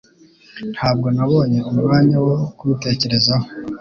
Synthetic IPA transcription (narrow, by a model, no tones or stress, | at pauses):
n̥hʰaːb̚ɡo̞naβo̞ːɲe̞umuɾaːɲawokuute̞ce̞ɾe̞zaho̥